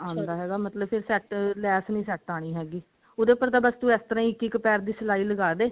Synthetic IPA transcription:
ãːnd̪aːɦɛːɡaːmət̪ləbpʰɪɾsɛːʈlɛːsnĩːsɛːʈaːɽ̃iːɦɛːɡiː | od̪eːpəɾt̪aːbəst̪ũːɛːst̪əɾãːĩɪkːiːkəpɛːɾd̪iːsəlaːiːləɡaːd̪eː

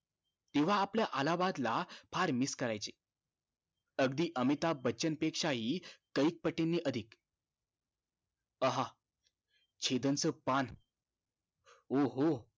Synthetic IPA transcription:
t̪eʋ̤aːpljaʔalabad̪lapʰaɾmiskəɾajt͡se | əɡd̪iːʔəmit̪abətːt͡ɕənpekʂaɦiːkəik̚pəʈːenːiːʔəd̪ʱik | əɦa | t͡ɕʰed̪ənt͡səpan | oɦo

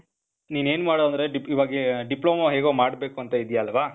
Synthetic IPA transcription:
niːne̞ːnmaːɽoɐnd̪ɾe̞ɖiiʋaːɡeɖiploːmaɦeːɡoːmaːɽbeːkuɐnt̪ɐid̪jaːlʋaː

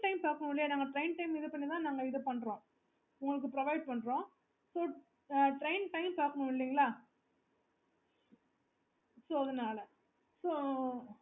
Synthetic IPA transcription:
ʈɐɪmpaːkɐɳʊ̃ɪɭːɪjeːnaːŋɡɐʈɾɐɪnʈɐɪmɪðɯpɐɳːit̪ãːnaːŋɡɐɪðɯpɐɳɾõː | ʊŋɡɐɭɯk̬ːɯpɾɐʋɐɪɖ̚pɐɳːɾõː | soː | ʈɾɐɪnʈɐɪmpaːkːɐɳʊ̃ɪɭːiːŋɡɐɭaː | soːɐðɐnaːlɐ | soː

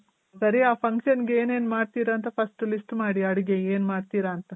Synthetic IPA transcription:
sɐɾiaːpʰɐŋkʃɐnɡeeːneːnmaːɽt̪iːɾɐːnt̪ɐpʰɐsʈlisʈmaːɽiɐɽiɡeeːnmaːɽt̪iːɾɐːnt̪ɐ

